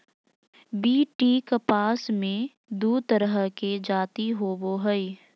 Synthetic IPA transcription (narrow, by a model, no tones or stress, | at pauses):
biːʈiːkəpaːsmẽ | d̪uːt̪əɾəɦked͡ʒaːt̪iɦoboɦəi